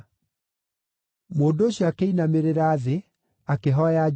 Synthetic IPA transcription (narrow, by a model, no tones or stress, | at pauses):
moːdoːɕjakeinameɾeɾaːðe | akeɦɔja